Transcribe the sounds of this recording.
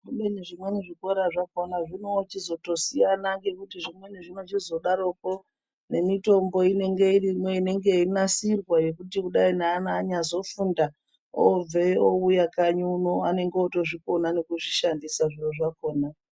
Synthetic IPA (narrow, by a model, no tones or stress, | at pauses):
ruɗeneʐimwe̞neʐiko̞ɾaʐako̞naʐino̞t͡ʃizo̞to̞sijanaŋɡe̞kutiʐimwe̞neʐinot͡ʃizo̞ɗaɾo̞ko̞ | ne̞mito̞mbo̞ine̞ŋɡe̞irimwe̞ine̞ŋɡe̞inasirwaje̞kutikuɗainaːnaːɲazo̞funda | ob͡veoujakaɲuuno̞ane̞ŋɡeoto̞ʐiko̞nane̞kuʐiʃandisaʐiroʐako̞ːna